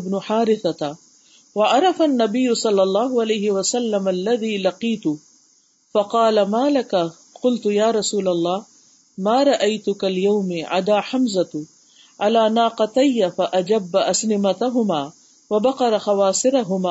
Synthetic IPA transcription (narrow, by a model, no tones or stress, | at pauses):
bnʊħaːɾɪθa | waʔɑɾˤɑfanːabɪjːʊsˤɑlːɑlˤːɑːɦʊʕalajɦɪwasalːamlːaðiːlɑqiːt̪ʊ | fɑqɑːlamaːlaka | qʊlt̪ʊjaːɾˤɑsuːlalˤːɑːh | maːɾˤɑʔajt̪ʊkaljawmɪʕa̰d̪aːħamzat̪ | ʕalaːnaːqɑt̪ajːafaʔad͡ʒabːaʔasnɪmat̪aɦʊmaː | wabɑqɑɾˤɑxɑwɑːsˤɨɾaɦʊmaː